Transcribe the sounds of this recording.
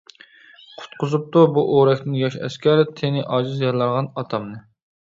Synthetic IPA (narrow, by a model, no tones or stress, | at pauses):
qʰʊ̥t̪̚qʰʊzup̚t̪ubuʔoɾɛkʲnɪnjɑʃɛ̰skʲɛɾɪt̪ʰenɪʔɑːʒɨzjɑlˠɑɾʁɑnɑt̪ʰɑmnɨ